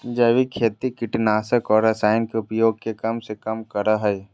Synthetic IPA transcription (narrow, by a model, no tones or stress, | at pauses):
d͡ʒɐʋikʰːeːt̪ikɪʈnaːsəkɔːɾɐsaːɪnkeʊpjoːɡ̚kekɐmsekɐmkɐɾaɦɐj